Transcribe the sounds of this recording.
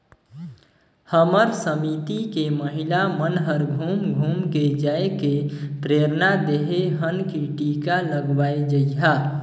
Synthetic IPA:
həməɾsəmit̪ikeməɦilamənɦəɾɡʱumɡʱumked͡ʒaekepɾeɾnad̪eɦeɦənkiʈikaləɡbaed͡ʒəiɦa

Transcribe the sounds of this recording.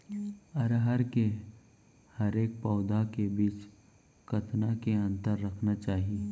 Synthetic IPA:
ɐɾɦəɾke | həɾeːk̚pɔʊd̪ʱakebiːt͡ʃ | kɐt̪nakeɐ̃nt̪əɾːɐkʰnat͡ʃaːɦieː

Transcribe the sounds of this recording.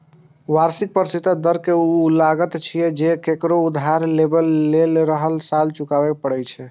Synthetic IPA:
waɾsik̚pəɾsit̪əd̪əɾkeulaɡət̪t͡ʃʰijɛd͡ʒekekɾoud̪ʱɦaɾlːebəlːelɾəɦəlsalt͡ʃukabɛkpəɽɛt͡ʃʰɛ

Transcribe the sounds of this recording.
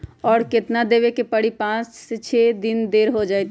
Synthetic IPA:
ɔːɾket̪nad̪eβekepəɽipãt͡ʃset͡ʃʰed̪ind̪eɾɦod͡ʒajt̪

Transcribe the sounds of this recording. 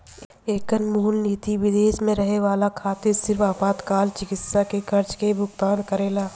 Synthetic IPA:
eːkənmuːlniːt̪iʋɪd̪eːʃmẽɾɐɦeʋaːlakʰaːt̪ɪɾsɪɾfaːpaːt̪kaːlt͡ʃɪkɪt̪sakekʰɐɾt͡ʃkebʱʊɡt̪ãːnkəɾeːlaː

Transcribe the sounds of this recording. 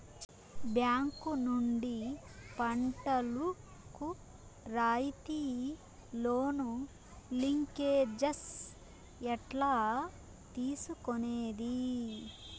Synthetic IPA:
bjaːŋkunuɳɖi | pɐɳʈɐlu | ku | ɾaːjit̪iː | loːnu | liŋkeːd͡ʒɐs | ɛʈlaː | t̪iːsukoneːd̪i

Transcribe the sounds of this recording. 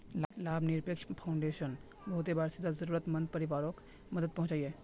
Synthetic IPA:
llaːbʱniɾpekʃpʰaʊɳɖeʃən | bəɦut̪ebaɾsid̪ʱazəɾuɾət̪mənd̪̚pəɾiʋaːɾok | məd̪əd̪̚pəɦʊ̃t͡ʃaje

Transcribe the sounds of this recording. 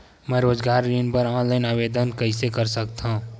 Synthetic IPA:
mɛ̃ːɾoːd͡ʒɡaːɾːiːnpəɾãːnlaɪnaːbed̪ənkəɪsekəɾsəkt̪aũ

